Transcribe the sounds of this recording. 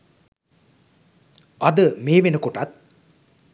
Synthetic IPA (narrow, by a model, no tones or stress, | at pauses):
ɐd̪əmeːʋenəkoʈat̪̚